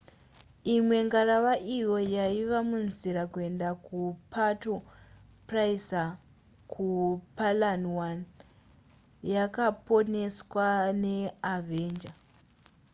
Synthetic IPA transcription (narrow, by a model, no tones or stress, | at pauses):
imwe̞ŋɡaɾaʋaʔijo̞jaiʋamunziɾakue̞ndakupʰato | praisa | kʰupalanwan | jakapo̞ne̞swane̞ave̞ːnd͡ʒa